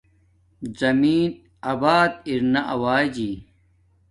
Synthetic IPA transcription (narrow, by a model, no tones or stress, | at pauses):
zɐmiːn | ɐbaːt̪iɾnɐʔɐwaːd͡ʑiː